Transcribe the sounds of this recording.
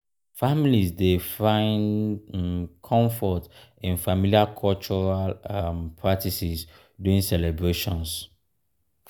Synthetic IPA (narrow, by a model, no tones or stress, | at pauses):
familisdefãɪ̃n | kʰɔ̃ɱfɔtɛ̃nfamiliakʰɔlt͡ʃɔɹalampʰɹatʰisis | duĩŋsɛlɛbɹeʃɔ̃ns